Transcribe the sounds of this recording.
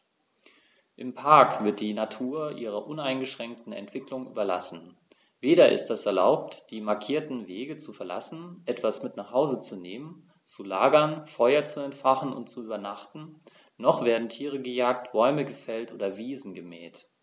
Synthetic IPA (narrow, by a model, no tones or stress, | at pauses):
ʔɪmpʰaɐkv̥ɪɐt̚d̥iːnatʰuːɐʔḭːʁ̞ɐʔʊnaɪnɡəʃʁ̥ɛŋk̚tn̩ɛ̰ntv̥ɪklʊŋʔy̰ːbɐla̰sn̩ | veːɾɐʔɪ̰std̥ɛsɛɐla̰ʊp̚td̥iːmaɐkʰiːɐtn̩veːɡət͡sufɛɐla̰sn̩ʔɛtv̥asmɪtnaχhaʊzət͡suneːmən | t͡sulaːɡɐnfɔʏɐt͡suɛntfaχn̩ʊ̰ntt͡suyːbɐnaχtn̩ | nɔχv̥eːɐdn̩tʰiːʁ̞əɡəjaːk̚tb̥ɔʏməɡəfɛltʔo̰ːdɐviːzn̩ɡəmɛːt